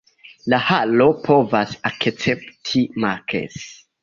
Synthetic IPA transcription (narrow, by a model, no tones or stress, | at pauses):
lahalo̞pʰo̞vasakt͡septʰimakʰḛs